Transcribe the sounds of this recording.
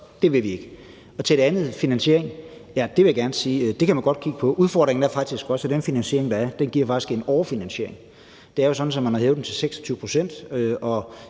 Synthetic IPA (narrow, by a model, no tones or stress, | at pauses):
d̥e̝ʋe̝ʋie̝ɡ̥ə | ɒ̽t͡sʰe̝ɾeænð̩ˠfinænɕe̝ɐ̰eŋjæd̥e̝ʋe̝jaɡ̥æɐnsiːd̥e̝kʰæmænɡɒ̽d̥̚kʰiɡ̥əpʰɒ̽ʔuðˠfɒ̰ːd̥ʁeŋn̩æɐfɑ̈ɡ̥̚d̥isɡ̥ɒ̽səd̥enfinænsɕe̝ɐ̰eŋd̥ɑ̈æɐd̥enɡ̥iɐfɑ̈ɡ̥i̥sɡ̥e̝nɒʊɐfinænɕe̝ɐeŋ | d̥e̝æɐjo̝sɒ̽d̥n̩sɒ̽mænhɑ̈ɦeʊ̥em̩t͡sʰe̝lseɡ̥sɒ̥t͡sʰyːʊəpʰʁo̝sen̰d̥øɒ̽